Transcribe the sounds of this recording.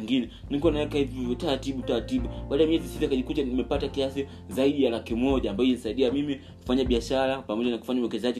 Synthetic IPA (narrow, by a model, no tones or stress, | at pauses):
ŋɡinɛnikɔnawɛkahivtaɾatiɓutaɾatiɓuɓaːɗaɛmiɲɛzisitakaʄikutanimɛpatakiasi | zaiɗijalakimɔʄaːmbajɔinisaiɗiamimi | ku̥faɲaɓiaʃaɾapamɔʄanaku̥faɲauwɛkɛzaʄi